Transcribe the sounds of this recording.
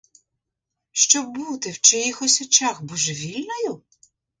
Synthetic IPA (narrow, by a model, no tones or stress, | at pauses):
ʃt͡ʃɔb̚but̪ɪwt͡ʃɛjixɔsʲɔt͡ʃaxbuʒɛʋʲilʲnɔjʊ